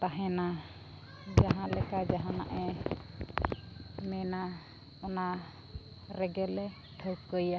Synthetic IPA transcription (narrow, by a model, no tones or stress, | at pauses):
t̪aɦɛ̃na | d͡ʒaɦãlɛkad͡ʒaɦãna̰ʔɛ | mɛna | ɔna | ɾɛɡɛlɛ | ʈʰəwkəja